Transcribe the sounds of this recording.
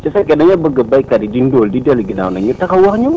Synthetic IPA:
t͡ʃasakenaɲabaɡabaikadidindoldidalɡina̰wnaɲitakawaxɲəm

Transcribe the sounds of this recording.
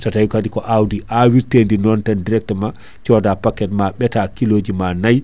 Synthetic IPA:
tatajkadikɔʔawdiʔawiɾtendinɔntandiɾɛk̚tma | t͡ʃɔdapakːɛtmaɓɛtakiloːd͡ʒimanaj

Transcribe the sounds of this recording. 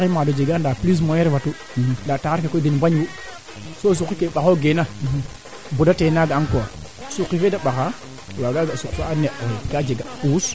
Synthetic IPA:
kimadod͡ʒeɡandaplis̬mojeɾvatu | dataaɾkekodinmbaɲwu | sos̬ukːikeɓaxoɡena | budatenaɡaankoa | sukːifedaɓaxa | waɡaɡasukfaaneʔeɡad͡ʒeɡaus

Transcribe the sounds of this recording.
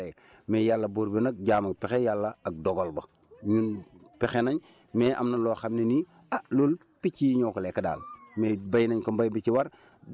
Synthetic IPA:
e | meːjalːɐboɾbenak̚ɟaːmɐk̚pexejalːaak̚doɡolbɐ | ɲunpexenaɲ | meːʔa̰mnaloxamneni | alol | pit͡ʃiɲoːkolekada̰ːlmebajnaɲkombajbit͡ʃiwaɾ

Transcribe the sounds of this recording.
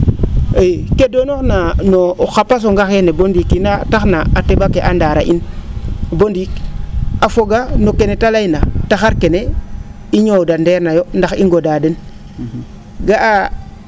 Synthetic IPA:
ekedonoknanoxapːas̬oŋɡaxenebondikinataxnaatebakeʔandaɾa̰ʔḭn | bondikafoɡanokenetalainataxaɾkene | iɲodandeɾnajondaxiŋɡodadən | ɡaʔa

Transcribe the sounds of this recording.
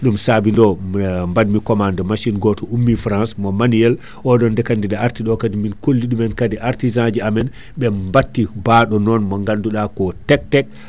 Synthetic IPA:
ɗumsabindɔmbadmikɔmandɔmaʃinɡɔtɔumːifɾãnsmɔmanuɛl | ʔɔɗɔndɛkandidaaɾtiɗɔkadiminkolːiɗumɛnkadiʔaɾtizãd͡ʒiamɛn | ɓɛmbatːibaɗɔnɔnmɔŋɡanduɗakɔtɛk̚tɛk̚

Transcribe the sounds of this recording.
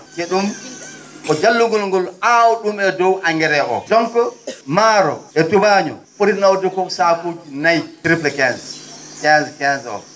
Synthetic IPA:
keɗum | kɔd͡ʒalːuɡɔlŋɡɔlawɔɗumɛdɔwʔaŋɡɛɾɛʔɔ̰dɔŋkɔmaːɾɔɛtubaːɲɔ̰poɾinawdɛkɔsakoːd͡ʒinajɾiplɛkɛnskɛnskɛnsɔ̰

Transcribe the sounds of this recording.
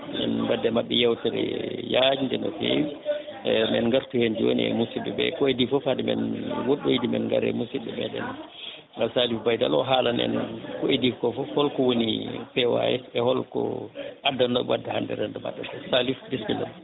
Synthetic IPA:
nɛ̰nbadɛmaɓːɛjɛwtɛɾɛ̰jad͡ʒindɛnɔ̰fḛwi | mɛnŋɡaɾtuhend͡ʒiwo̰niɛ̰musiɗɛbɛ̰kɔedifɔfadɛmɛnwoɗːujidimɛnŋɡaɾɛ̰musiɗɛmɛ̰ɗɛn | ŋɡalsalifbajda̰lɔ̰ɦalanɛ̰nkɔedifkɔfɔhɔlkɔwonipɛwa̰ɛsɛhɔlkɔ̰ʔadːanɔɡwadːɛhandɛ̰ɾɛndɔma̰ɗːɛtɔsalifdisbila̰n

